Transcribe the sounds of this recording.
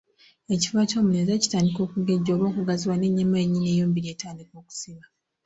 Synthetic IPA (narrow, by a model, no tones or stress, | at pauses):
e̞civaːtoːmune̞zaci̥taːndiko̞ːkuɡe̞ɟːo̞ːβo̞ːkuɡaziwane̞ɲːamaeɲːinejoːmbiɾe̞taːndiko̞ːku̥siβa